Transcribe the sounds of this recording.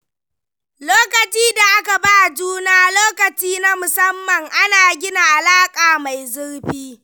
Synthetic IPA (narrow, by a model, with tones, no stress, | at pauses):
loː˦kɐ˨t͡ʃiː˦da˨ʔa˦ka˨ba˦˨d͡ʒuː˦naː˦loː˦kɐ˨t͡ʃiː˦na˦mʊ˨sɐ˦mːɐ˨ŋʔa˦naː˨ɡʲɪ˦na˨ʔa˨laː˦kʼaː˨ma˨jzʊ˦ɽɸiː˦